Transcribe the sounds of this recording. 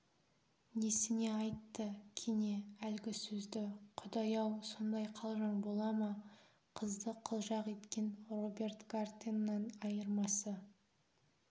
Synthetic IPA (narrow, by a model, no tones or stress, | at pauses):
ne̞sɪne̞ɑjt̪ːəkʲʰene̞ælɡʲɪsɵzd̪ɪqʰʊd̪ɑjɑwso̞nd̪ɑjqʰɑlˠʒɑɴbo̞lˠɑmɑ | qʰəzd̪əqʰəlˠʒɑqe̞t̪kʲe̞nro̞bʲe̞rt̪ɡart̪ʲinːɑnɑjəɾmɑsə